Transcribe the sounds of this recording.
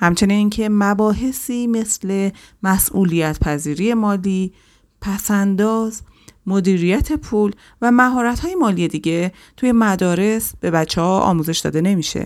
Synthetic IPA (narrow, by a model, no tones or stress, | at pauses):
hæmt͡ʃʰe̞niniːŋcʰe̞mæbɒːɦe̞siːme̞sle̞mæsʔulijæt̪ʰpʰæziːɾiːje̞mɒːliː | pʰæsænd̪ɒːz | mod̪iːɾijæt̪ʰe̞pʰuːl | væmæɦɒːɾæt̪hɒːje̞mɒːlije̞d̪iːɟe̞ | t̪ʰuje̞mæd̪ɒːɾe̞sb̥e̞bæt͡ʃʰːehɒːʔɒ̰ːmuːze̞ʃd̪ɒ̰ːd̪e̞ne̞miʃḛ